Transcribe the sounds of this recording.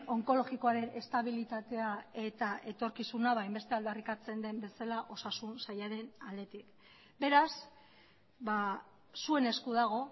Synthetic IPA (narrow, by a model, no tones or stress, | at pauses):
o̞ŋko̞lo̞ɣiko̞aɾe̞nʔe̞st̪aβilit̪at̪e̞ae̞t̪aʔe̞t̪o̞ɾkisunaβajmbe̞st̪eald̪arikat͡se̞nd̪e̞mbe̞salaʔo̞sasunsajaɾe̞nald̪e̞t̪ik | be̞ɾas | βa | sue̞ne̞skuðaɣ̞o̞